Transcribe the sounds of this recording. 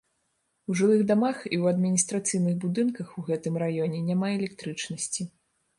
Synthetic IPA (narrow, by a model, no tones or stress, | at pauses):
uʐɨlˠɨɣd̪amaxḭwɐd̪mʲinʲist̪ɾat̪sɨjnɨɣbud̪ɨnkɐxuɣɛt̪ɨmrajɔnʲɛnʲamaɛlʲɛk̚t̪ɾɨt͡ʂnɐsʲt͡sʲi